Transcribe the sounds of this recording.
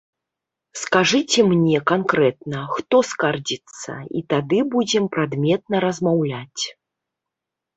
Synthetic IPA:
skaʐɨt͡sʲɛmnʲɛkankɾɛt̪̚nɐxt̪ɔskard͡zʲit̪sːɐ̰ḭt̪ad̪ɨbud͡zʲɛmpɾad̪mʲɛt̪̚nɐɾɐzmawlʲat͡sʲ

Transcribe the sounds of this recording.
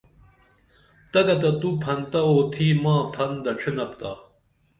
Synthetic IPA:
t̪ɐɡɐt̪ɐt̪upʰɐnt̪ɐoːt̪ʰiːmãːpʰɐnd̪ɐʈ͡ʂʰinɐpt̪a̰ː

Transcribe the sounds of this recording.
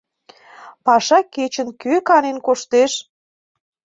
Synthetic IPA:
pɑʃɑket͡ɕə̆nkøkɑnenkoʃt̪eʃ

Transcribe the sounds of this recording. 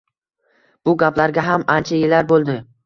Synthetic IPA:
b̥ʊɡʲaplaɾɡʲaɦamant͡ʃʰajɪlaɾbolˠd̪ɪ

